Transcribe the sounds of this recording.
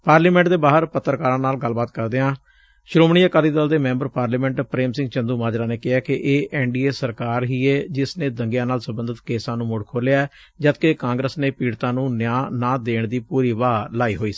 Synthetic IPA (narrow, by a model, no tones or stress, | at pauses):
paːɾliːmɛ̃ːɳʈd̪eːbaːɦəɾpət̪ːəɾkaːɾãːnaːlɡəlːbaːt̪kəɾd̪eːɦãː | ʃɾoːmɳiːaːkaɾiːd̪aːld̪eːmɛ̃ːmbəɾpaːɾliːmɛ̃ːɳʈpɾeːmsɪ̃ŋɡt͡ʃə̃nd̪uːmaːd͡ʒɾaːneːkɪɦɛːkɪʔeːʔɛːɳɖiːeːsəɾkaːɾɦiːeːd͡ʒɪsnẽːd̪əŋɡjãːnaːlsəbə̃nd̪ət̪keːsãːnũːmʊɽkʰoːlejaːɛ | d͡ʒət̪keːkãːŋɡɾəsneːpiːɽt̪ãːnũːnjãːnãːd̪eːɳd̪iːpuːɾiːʋaːlaːiːɦoːiːsi̥